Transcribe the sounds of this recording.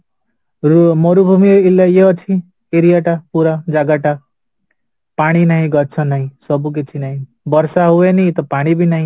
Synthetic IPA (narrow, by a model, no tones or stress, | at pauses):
moɾubʱumiilːajeʌt͡ʃʰi | eɾijaʈapuɾad͡ʒaɡaʈa | paɽ̃inaɦĩɡʌtt͡ʃʰʌnaɦĩsɔbuk̬et͡ʃʰinaɦĩ | bʌɾsaɦuenit̪ɔpaɽ̃ibʱinaɦĩ